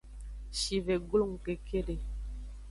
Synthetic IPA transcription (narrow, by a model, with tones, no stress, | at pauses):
ʃi˨ve˨ɡlu˦˨ŋ˨ke˨kʰe˦le˨